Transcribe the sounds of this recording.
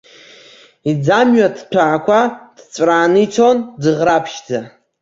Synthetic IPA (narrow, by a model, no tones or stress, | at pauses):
id͡zamɥadpʰaʕːkʷʰad̥t͡ɕʷʼraːnɨit͡sʷʰondɨʁrapʰʃd͡za